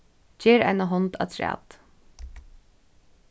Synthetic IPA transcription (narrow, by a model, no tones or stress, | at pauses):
d͡ʒeːɾa̰jnaɦɔnt̪a̰t̪ʰɾæ̰ːt̪